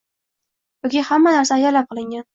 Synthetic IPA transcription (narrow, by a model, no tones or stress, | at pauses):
bʊɡʲɪhamːanaɾsaːjaɾlap̚qɨlˠɪŋɡʲan